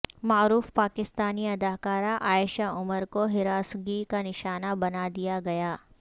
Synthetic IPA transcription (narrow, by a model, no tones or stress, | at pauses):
maːɾuːfpaːkɪst̪aːniɐd̪aːkaːɾaʔaːjɪʃaʊməɾkoɦɪɾaːsɡikanɪʃaːnabɐnad̪ijaɡɐjaː